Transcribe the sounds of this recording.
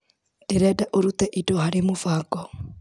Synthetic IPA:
d̥eɾɛdaʔoɾut̪ɛʔidɔhaɾemofaːɡɔ

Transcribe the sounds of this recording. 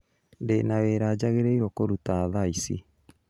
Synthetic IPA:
ndenaweɾaːd͡ʑaɣeɾeiɾwɔkoɾutaːðaisi

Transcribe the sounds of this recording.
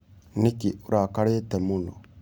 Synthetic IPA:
nikioɾakaɾeːtɛmunɔ

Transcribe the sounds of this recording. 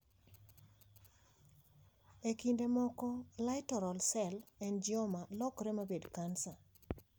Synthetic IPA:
ekindemɔkɔlajtɔɾɔlsɛlɛnd͡ʒɪɔmalɔkɾɛmabedkansa

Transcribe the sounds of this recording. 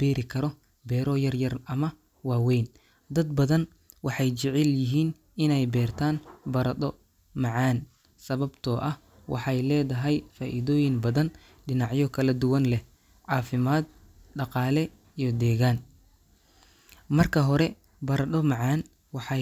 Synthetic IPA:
b̥ɛːɾɪkʰɐɾɔ | bɛːɾɔjɐrjɐrɐmɐ | wɑːwɛjn | d̪ɐd̪bɐðɐn | wɑħɑjt͡ʃɪʕɪljɪɦiːn | ɪnɛjbɛːrt̪ʰaːnbɐɾɐd̪ɔ | mɑʕɑːn | sɐβɐbt̪ʰɔʔɐh | wɑ̰ħɑjlɛːðɐɦɛjfaːʔiðɔːjɪŋbɐðɐn | ɖɪnɑʕjɔkʰɐlɐd̪ʊwɐnlɛ | ʕɑːfɪmaːd̪ | ɖɑqɑːlɛ | ijɔd̪ɛːɣaːn | mɐrkʰɐɦɔɾɛ | bɐɾɐɗ̪ɔmɑʕɑːn | wɑħɑ

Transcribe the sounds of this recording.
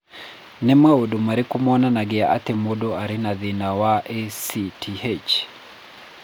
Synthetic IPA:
nɛmaudumaɾikumɔnanaɡɛaʔa̰tɛmɔɗɔaɾinaðinawaʔesitʰiet͡ʃ

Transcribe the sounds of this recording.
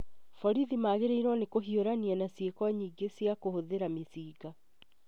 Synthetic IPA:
fɔɾiðimaɣeɾeiɾwɔnekoɦioɾanianasjekɔɲiːɡesjakohoðeɾamisiːɡa

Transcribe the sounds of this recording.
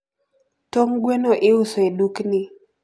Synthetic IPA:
toŋɡwenoʔɪʊsoeduknɪ

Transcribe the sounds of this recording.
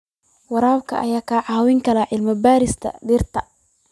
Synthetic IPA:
wɑɾaːb̚kʰɐʔɐjaːkʰaːʕɑwɪŋkʰɐlɐʕɪlmɐbaːɾɪst̪ʰɐ̰ɖirt̪ʰɐ

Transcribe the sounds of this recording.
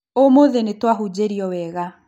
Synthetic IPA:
omoðenetwaɦud͡ʑeɾiɔwɛːɣa

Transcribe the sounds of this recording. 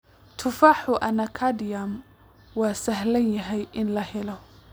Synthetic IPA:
t̪ʰʊfaːħʊʔɐnɐkʰadjam | wɑːsɐɦlɐnjɐɦɛjʔɪnlɐhɛlɔ

